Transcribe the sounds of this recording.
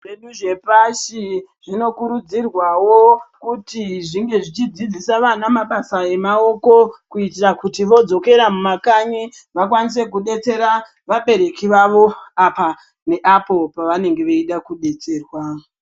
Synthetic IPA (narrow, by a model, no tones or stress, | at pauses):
ʋeɗuʐe̞paʃiʐ̥ino̞kuɾud͡zirwawokutiʐiŋɡe̞ʐit͡ʃid͡zid͡zisaʋanamaɓasae̞mao̞ko̞kuitirakutiʋo̞d͡zo̞ke̞ɾamumakaɲi | ʋakwanis̬e̞kuɗe̞t͡se̞ɾa | ʋaɓe̞ɾe̞kiʋaʋo̞apa | ne̞ʔapo̞paʋane̞ŋɡe̞ʋeiɗakuɗe̞t͡se̞ːrwa